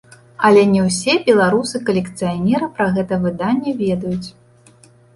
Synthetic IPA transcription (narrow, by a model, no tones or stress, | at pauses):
ɐlʲɛnʲɛwsʲɛbʲɛlˠaɾusɨkɐlʲɛkt̪sɨjanʲɛɾɨpɾɐɣɛt̪ɐvɨd̪anʲːɛvʲɛd̪ɐjut͡sʲ